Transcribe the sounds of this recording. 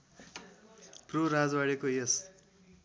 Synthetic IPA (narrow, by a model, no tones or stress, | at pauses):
proɾad͡zwaɽekojʌs